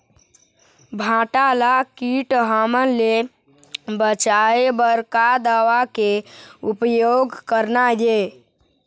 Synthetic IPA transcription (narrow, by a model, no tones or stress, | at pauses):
bʱãʈalakiʈɦamənle | bət͡ʃaebəɾkad̪aʋakeupjoɡkəɾnaje